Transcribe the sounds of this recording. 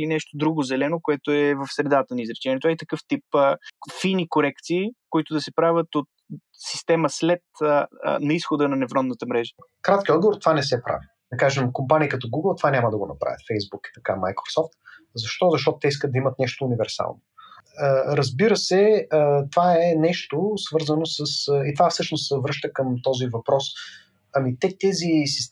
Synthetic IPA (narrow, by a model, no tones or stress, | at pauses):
linɛʃt̪od̪ɾuɡozɛlɛnokoɛt̪oɛvəfsɾɛd̪at̪ənɐizɾɛt͡ʃɛnɛt̪ovait̪ɐkɤft̪ipːfinikoɾɛkt̪siːkoit̪od̪ɐsɛpɾavʲət̪ot̪ | si̥st̪ɛməslɛt̪ə̰nɐisxod̪ənɐnɛvɾɔnət̪əmɾɛʒə̥kɾat̪kʲiɔd̪ɡovoɾt̪ovanɛsɛpɾa̰vi | d̪ɐkaʒɛmkompanikɐt̪ɔɡuɡəlˠt̪ovanʲamɐd̪ɐɡonɐpɾa̰və̰t̪fɛjzbuki̥t̪ɐkama̰jkɾosɔft̪̚ | zɐʃt̪ɔzɐʃt̪ɔt̪ʊt̪ɛiskəd̪d̪ɐimət̪nɛʃt̪oːnivɛɾsa̰lˠnoəɾɐzbiɾəsɛət̪vaɛnɛʃt̪osvɤɾzənosəsəit̪ovafsɤʃnost̪ːəvɾɤʃt̪əkəmt̪ɔzivɐpɾɔs | ɐmit̪ɛt̪ɛzisis